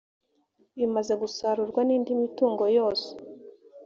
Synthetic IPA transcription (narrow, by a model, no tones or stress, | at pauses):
βimaze̞ɡusaɾuɾɡwaniːndimituːŋɡo̞joːse̥